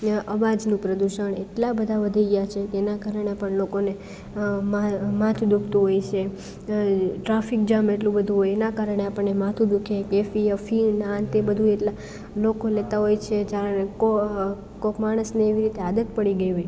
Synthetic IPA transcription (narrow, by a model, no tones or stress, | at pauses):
əʋad͡ʒnũpɾəd̪uʃəɳeʈlabəd̪ʱaʋəd̪ʱiɡəjat͡ʃʰekːnakaɾəɳ̃epəɳlokone | mamat̪ʰud̪ukʰt̪uɦojt͡ʃʰe | ʈɾafik̚d͡ʒameʈlũbəd̪ʱũɦojenakaɾəɳeapəɳːemat̪ʰud̪ukʰekefiəfinant̪ebəd̪ʱũeʈla | lokolet̪aɦojt͡ʃʰed͡ʒaɾko | kokmaɽ̃əsneːʋiɾit̪ead̪ət̪pəɽiɡəjɦoj